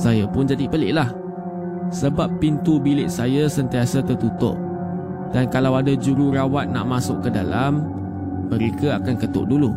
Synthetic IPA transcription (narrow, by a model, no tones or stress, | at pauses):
sajapʊnd͡ʒadipəlɪ̰ʔlah | səbapːint̪ubilɪʔsajasənt̪iasat̪ərt̪ut̪ʊ̰ʔ | d̥ankalawadad͡ʒuɾurawat̪̚na̰ʔmasʊkkːədalamː | ə̃ɾekaakankət̪ʊ̰ʔ̚dulu